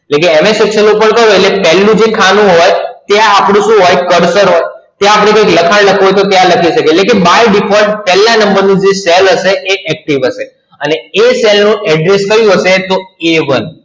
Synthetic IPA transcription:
lekeemesɛkʃənupəɳk̪əɾɦojlepɛlːũd͡ʒekʰanũɦojt̪eapɽ̃ũʃũɦojkəɾsəɾɦoj | t̪eapɽ̃ekəjkləkʰaɽləkʰɦojt̪ot̪jãləkʰiʃəkelekebajɖipʰoɖpɛlːãnəmbəɾnũd͡ʒeselɦəʃeʔːʔɛk̚ʈiʋəʃe | əneeselnũɛɖɾest̪əɾjũɦəʃet̪oeʋən

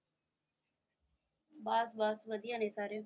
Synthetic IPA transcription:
baːsbaːsʋəd̪ijãːnẽːsaːɾe

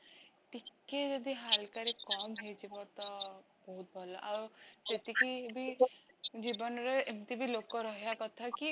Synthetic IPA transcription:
ʈikːed͡ʒɔd̪iɦalkaɾekɔmɦet͡ʃibɔt̪ɔ | bɔɦut̪̚bʱɔlɔʔaɾset̪ikibi | d͡ʒibɔnɔɾeemt̪ibilokɔɾɔɦijakɔt̪ʰaki

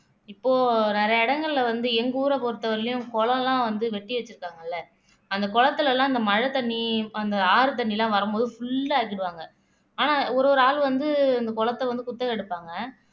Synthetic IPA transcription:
ɪpːoːnɛɾɐjɐɪɽɐŋɡɐɭɪlɐʋɐnd̪ɯɛŋɡuːɾɐpɔɾɯt̪ːɐʋɐɾlɪjʊ̃kɔɭɐ̃lãːʋɐnd̪ɯʋɛʈːiʋɛt͡ʃːɯɾɯkːaːŋɡɐɪlːɐ | ɐnd̪ɐkɔɭɐt̪ːɯlɐlãːɐnd̪ɐmɐɻɐt̪ɐɳːiɐnd̪ɐaːɾɯt̪̬ɐɳːilãːʋɐɾɯmboːðɯfʊɭːɐaːkɪɽɯʋaːŋɡɐ | aːnaːɔɾoːɾɯaːɭʋɐnd̪ɯɐnd̪ɐkɔɭɐt̪ːɐʋɐnd̪ɯkʊt̪ːɐɛɽɯpːaːŋɡɐ

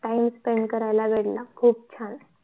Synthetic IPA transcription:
ʈaimspeɳɖkəɾajlaʋeɽlakʰuːp̚t͡ɕʰan

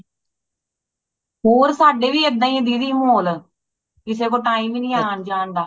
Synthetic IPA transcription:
ɦoːɾsaːɖeːʋiːəd̪ãːĩd̪iːd̪iːmoːl | kɪseːkoːʈaːiːmːnĩːaːnd͡ʒaːnd̪aː

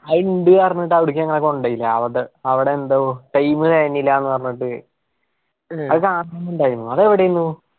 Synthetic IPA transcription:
hɐjɳɖɨɐrɐɲːiʈːɨaːuɽuk̬ʲːiɐŋːɐɭekːoɳɖɐjilːɐːʋɐʈeɐʋiɽeːnd̪oʈɐjmɨðeːnːilːaenːɨpɐrɐɲːiʈːɨ | ɐðɨkaːɳɐmuɳɖaːjɾunːuɐðeʋiɽejunːu

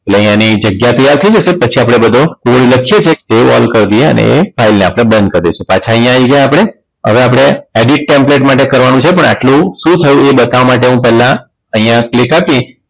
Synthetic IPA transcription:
aleə̃ɦj̃ãnid͡ʒəɡjat̪əjaɾt̪ʰəid͡ʒəsepət͡ʃʰiapɽ̃ebəd̪ʱokubɭũləkʰijet͡ʃʰeseʋɔ̰lkəɾd̪ijeə̰nḛḛfailneapɽ̃ebə̃nd̪̚kəɾd̪esũpat͡ʃʰaəɦĩjãʋiɡjãapɽ̃e | ə̰ʋeapɽ̃eeɖiʈ̚ʈempleʈmaʈ̬ekəɾʋanũt͡ʃʰepəɳa̰ʈlũʃũt̪ʰəjũebət̪aʋamaʈ̬eɦũpɛɦlã | əĩjãklɪkapĩ

